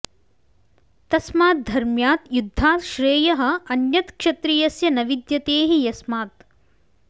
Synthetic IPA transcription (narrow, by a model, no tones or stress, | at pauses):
t̪ɐsmaːt̪̚d̪ʱɐɾmjaːt̪jud̪ʱːaːt̪ʃɾeːjɐɦɐ̆ɐnjɐt̪kʃɐt̪ɾijɐsjɐnɐʋid̪jɐt̪eːɦijɐsmaːt̪̚